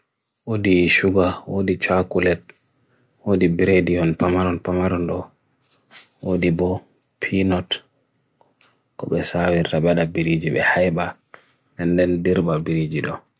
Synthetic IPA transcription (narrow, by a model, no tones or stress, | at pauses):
wodiʃuɡawodit͡ʃakulɛt̚ | wodibiɾediɔnpamaɾɔnpamaɾɔnɗɔ | wodibɔ | pʰinɔt | kɔɓɛsawiɾtaɓɛɗabiɾid͡ʒiɓɛ̰hajba | dɛndɛndiɾbabiɾid͡ʒiɗɔ